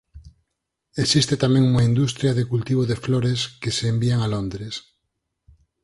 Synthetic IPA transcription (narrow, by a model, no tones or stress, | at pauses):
esist̪et̪amɛ̃ŋuŋaind̪ust̪ɾjaðekult̪iβ̞oðefloɾeskeseːmbiaŋalond̪ɾes